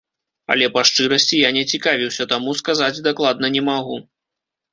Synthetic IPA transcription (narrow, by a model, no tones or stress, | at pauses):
ɐ̰lʲɛpaʂt͡ʂɨɾɐsʲt͡sʲijanʲɛt͡sʲikavʲiwsʲɐt̪amuskazad͡zʲd̪aklˠad̪̚nɐnʲɛmaɣu